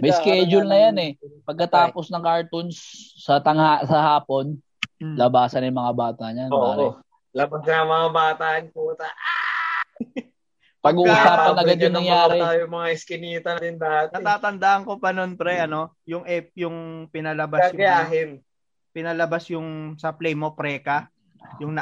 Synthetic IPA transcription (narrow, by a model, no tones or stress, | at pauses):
mɐjskɛd͡ʒʊlnɐjanɛpɐɡ̚kɐt̪aːpo̞snɐŋkaɹt̪ʊnsːɐt̪ɐŋhasɐhaːpo̞n | lɐbaːsɐnjʊŋmɐŋabaːt̪ɐɲanbaːo | lɐbasamɐŋabaːt̪aʔɐnkuːt̪ɐʔa | pɐɡuːʔsaːpɐnɐɡad̪jʊnːɐŋjaːɾɛaːjʊmɐŋaʔɪskɪniːt̪ɐnɐd̪ɪnd̪at̪nɐt̪aːt̪ɐnd̪aːʔɐŋko̞pɐnonpɾɛʔɐno̞ | jʊŋʔɛp̚jʊŋpɪnɐlɐbaɐsjɡjaːɦɪn | pɪnalɐbasjʊŋsɐplɛjmo̞pɾɛːkɐ | jʊŋnɐ